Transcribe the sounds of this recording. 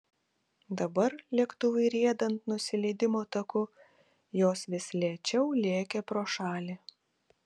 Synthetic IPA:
d̪ɐbɐɾlʲɛkt̪ʊʋɐɪɾʲiɛd̪ɐnt̪nʊsʲɪlʲɛɪd̪ʲɪmoːt̪ɐkʊ | joːsʋʲɪsʲlʲiɛt͡ʃʲɛʊlʲeːkʲɛpɾoːʃɑːlʲeː

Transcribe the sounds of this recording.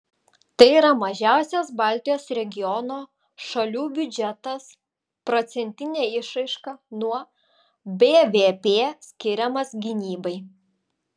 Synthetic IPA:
t̪ɐɪiːɾɐmɐʒʲæˑʊsʲɛsbɑːˑlʲt̪ʲɪjoːsɾʲɛɡʲɪjɔnoː | ʃɐlʲuːbʲʊd͡ʒʲɛt̪ɐs | pɾɔt̪sʲɛnʲt̪ʲɪnʲeːɪʃɐɪʃkɐnuɔ | bʲeːʋʲeːpʲeːsʲkʲɪɾʲɛmɐsɡʲɪnʲiːbɐɪ

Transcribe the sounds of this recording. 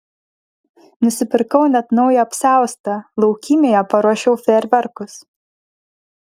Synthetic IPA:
nʊsʲɪpʲɪɾkɐʊnʲɛt̪nɒʊjɛɐpʲsʲæˑʊst̪ɐlˠɐʊkʲimʲeːjɛpɐɾuɔʃʲɛʊfʲɛɾʲʋʲɛɾkʊs

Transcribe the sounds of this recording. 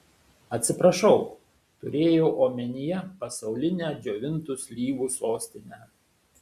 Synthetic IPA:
ɐt̪ʲsʲɪpɾɐʃɒʊ | t̪ʊɾʲeːjɛʊʔoːmʲɛnʲɪjɛpɐsɐʊlʲɪnʲæːd͡ʒʲoːʋʲɪnt̪ʊsʲlʲiːʋuːsoːsʲt̪ʲɪnʲæː

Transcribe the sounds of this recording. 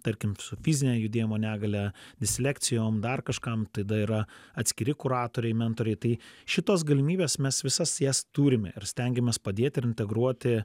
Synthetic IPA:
t̪ɐɾʲkʲɪmsʊfʲizʲɪnʲɛːjʊd̪ʲeːjɪmoːnʲæːɡɐlʲɛd̪ʲɪsʲlʲækt̪sʲɪjoːmd̪ɐrkɐʃkɐmt̪ɐɪd̪ɐiɾɐɐt̪ʲsʲkʲɪɾʲɪkʊɾɑːt̪oːɾʲɛɪmʲɛnt̪oːɾʲɛɪt̪ɐɪʃʲɪt̪oːsɡɐlʲɪmʲiːbʲeːsmʲɛsʋʲɪsɐsjæst̪uːɾʲɪmʲɛ̰ɪɾsʲt̪ʲɛŋʲɡʲɛmʲeːspɐd̪ʲeːt̪ʲɪɾɪnʲt̪ʲɛɡɾuɔt̪ʲɪ

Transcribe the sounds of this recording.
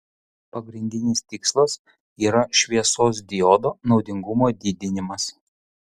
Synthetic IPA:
pɐɡɾʲɪnʲd̪ʲɪnʲɪst̪ʲɪkslˠɐs | iːɾɐʃʲʋʲiɛsoːs̬d̪ʲɪjoːd̪oːnɒʊd̪ʲɪŋɡʊmoːd̪ʲiːd̪ʲɪnʲɪmɐs

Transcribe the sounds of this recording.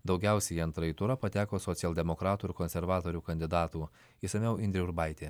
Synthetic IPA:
d̪ɒʊɡʲæˑʊsʲɛjiɐnt̪ɾɐit̪ʊɾɐpɐt̪ʲæːkoːsɔt̪sʲɪɛlˠʲd̪ʲɛmɔkɾɑːt̪uːɪɾkɔnʲsʲɛɾʋɑːt̪oːɾʲuːkɐnʲd̪ʲɪd̪ɑːt̪uː | isɐmʲɛʊɪnʲd̪ʲɾʲɛʊɾbɑɪt̪ʲeː

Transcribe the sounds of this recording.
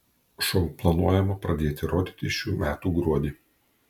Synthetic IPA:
ʃɔŋplˠɐnuɔjɛmɐpɾɐd̪ʲeːt̪ʲɪɾoːd̪ʲiːt̪ʲɪʃʲuːmʲæːt̪uːɡɾuɔd̪ʲiː

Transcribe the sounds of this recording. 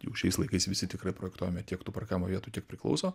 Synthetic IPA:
jɛ̰ʊʃʲɛɪslˠɐɪkɐɪsʋʲɪsʲɪt̪ʲɪkrɐɪpɾoːjɛkt̪uɔjɛmʲɛt̪ʲiɛkt̪uːpɐrkʲɑːɪmoːʋʲiɛt̪uːtʲiɛk̚pʲɾʲɪklˠɐ̰ʊsoː

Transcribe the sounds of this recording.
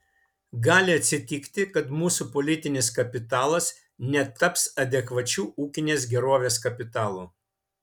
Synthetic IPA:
ɡɑːlʲɪɐt̪ʲsʲɪt̪ʲɪkt̪ʲɪkɐt̪muːsupɔlʲɪt̪ʲɪnʲɪskɐpʲɪt̪ɑːlˠɐs | nʲɛt̪ʰːɐpsɐd̪ʲɛkʋɐt͡ʃʲuːuːkʲɪnʲeːs̬ɡʲɛɾoːʋʲeːskɐpʲɪt̪ɑːlˠuː

